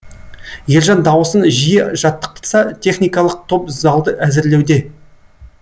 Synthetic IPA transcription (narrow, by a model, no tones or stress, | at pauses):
je̞lʲʒɑnd̪ɑwəsənʒijəʒɑt̪ːə̥q̚t̪ʰə̥t̪sɑt̪ʰʲe̞χnijkɑlˠəq̚t̪ʰo̞pzɑlˠd̪əʔæzɪɾle̞wd̪e̞